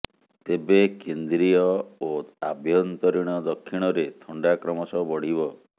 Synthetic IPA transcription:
t̪ebekend̪ɾiɔoabʱjɔnt̪ɔɾiɽ̃ɔd̪ɔkʰːiɽ̃ɔɾet̪ʰɔɳɖakɾɔmɔsɔbɔɽ̤ibɔ

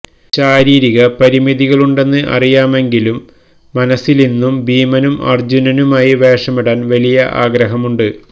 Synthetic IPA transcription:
t͡ɕaːɾiːɾiɣɐpɐɾimiðiɣɐɭuɳɖe̞nːɨʔɐ̰rijaːme̞ŋɡilumː | ɐnɐsːilinːumbiːmɐnumɐ̰rd͡ʑunɐnumaːjiʋeːʂɐmiɽaːnʋɐlijɐʔa̰ːɡɾɐɦɐmuɳɖɨ

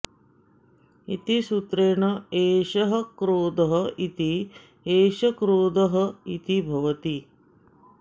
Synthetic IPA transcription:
it̪isut̪ɾeːɳɐeːʃɐɦɐkɾoːd̪ɐɦɐit̪i | eːʃɐkɾoːd̪ɐɦɐit̪ibʱɐʋɐt̪i

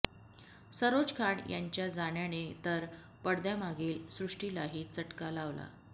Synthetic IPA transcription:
səɾod͡zkʰaɳjʔa̰ɲt͡ɕjad͡zaɳjanet̪əɾ | pəɽd̪jamaɡelsɾuʂʈilaɦiːt͡səʈkalaʋla̰

